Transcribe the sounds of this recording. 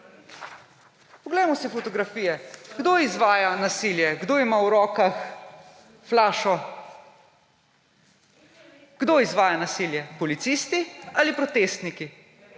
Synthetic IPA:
pɔɡlɛjmɔsifɔt̪ɔɡɾafiːjɛɡ̥d̪oizʋaːjanasiljɛɡd̪oːimawɾɔːkax | flaːʃɔ | ɡ̥d̪oizʋaːjanasiljɛpɔlit̪sist̪ialipɾɔt̪eːst̪niki

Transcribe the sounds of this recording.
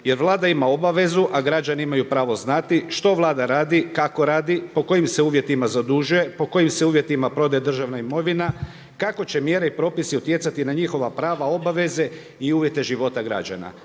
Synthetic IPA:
je̞ɾʋlˠaːd̪aimao̞baʋe̞zuʔaɡɾad͡ʑanimajupɾaːʋo̞znat̪iʃt̪o̞ʋlˠaːd̪aɾaːd̪ikako̞ɾaːd̪ipo̞ko̞jimse̞uːʋje̞t̪imazad̪uʒuje̞po̞ko̞jimse̞uːʋje̞t̪imapɾo̞d̪ed̪r̩ʒaʋnaimo̞ʋina | kako̞t͡ɕe̞mje̞ːɾeipɾo̞ːpisiut̪je̞t̪sat̪inaɲixo̞ʋapɾaːʋao̞baʋe̞ze̞ | iuːʋje̞t̪e̞ʒiʋo̞t̪aɡɾa̰d͡ʑa̰na̰

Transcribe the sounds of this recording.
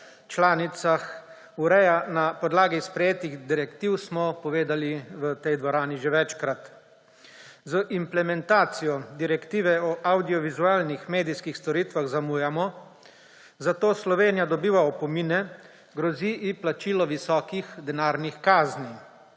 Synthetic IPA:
t͡ʃlaːnit̪sax | uɾɛjanapɔd̪laːɡispɾɛjeːt̪iɣd̪iɾɛkt̪iwsmɔpɔʋeːd̪aliʋət̪ɛjd̪ʋɔɾaːniʒeʋɛt͡ʃkɾat̪ | zəʔimplɛmɛnt̪aːt̪sijɔd̪iɾɛkt̪iːʋɛɔʔawd̪ijɔʋizuaːlnixmeːd̪iskixst̪ɔɾiːt̪ʋaɣzamujamɔ | zat̪oːslɔʋeːnijad̪ɔbiːʋaɔpɔmiːnɛ | ɡɾɔziʔːplat͡ʃiːlɔʋisɔːkixd̪ɛnaːɾnixkaːzni

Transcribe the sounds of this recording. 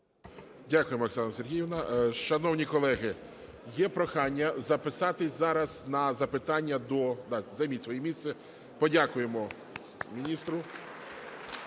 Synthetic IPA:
dʲakʊjemɔeksɑnɐserɦʲijɪwnɐʃɐnɔwnʲikɔlˠɛɦɪ | jɛpɾɔxɑnʲːɐzɐpɪsɑt̪ɪzɑɾɐznɐzɐpɪt̪ɑnʲːɐd̪ɔd̪ɑzɐjmʲitʲsʋɔjɛmʲist̪sɛ | pɔdʲakʊjemɔ | mʲinʲist̪ɾʊ

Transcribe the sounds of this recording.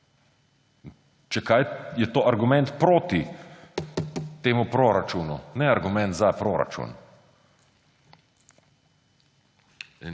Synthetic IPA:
t͡ʃɛkajjɛt̪oːaɾɡumɛ̃nt̪pɾoːt̪i | t̪eːmupɾoɾat͡ʃunṵnɛaɾɡumɛ̃nt̪zapɾoːɾa̰t͡ʃṵn

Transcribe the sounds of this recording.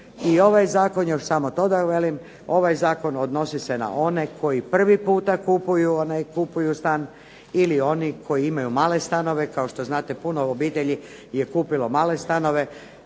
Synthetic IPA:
io̞ʋajzaːko̞njoʃsamot̪o̞d̪aʋe̞lim | o̞ʋajzaːko̞nod̪no̞sisena̰ʔo̞ne̞kʰo̞jipr̩ʋipuːt̪akupujuonajkupujust̪an | ilio̞nikʰo̞jiimajumaːle̞st̪ano̞ʋe̞kaoʃt̪o̞znaːt̪e̞punoobiːt̪eʎijekuːpilo̞maːle̞st̪ano̞ʋe̞

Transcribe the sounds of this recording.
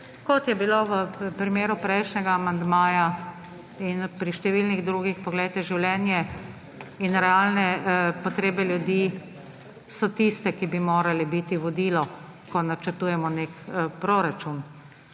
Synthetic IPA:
kɔt̪jɛbiloʋəpɾimeːɾupɾɛjʃnʲɛɡaːmand̪maːja | inpɾiʃt̪ɛʋilniɣd̪ɾuːɡixpɔɡlɛjt̪ɛʒiwljɛːnjɛ | inɾɛalnɛpɔt̪ɾeːbɛljud̪iː | sɔt̪ist̪ɛkibimoːɾalɛbit̪iʋɔd̪iːlɔ | kɔnat͡ʃəɾt̪uːjɛmɔnekpɾoɾat͡ʃun

